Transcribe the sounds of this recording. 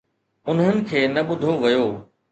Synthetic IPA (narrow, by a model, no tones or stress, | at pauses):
ʊnɦənɪ̆kʰeːnɐɓʊd̪ʱoʋɐjoː